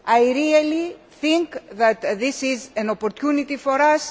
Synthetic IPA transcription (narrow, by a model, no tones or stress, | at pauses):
ajɾiɐli | θĩŋkðɐt̪ðisizɐnopoɾt̪çunit̪ifoɾɐs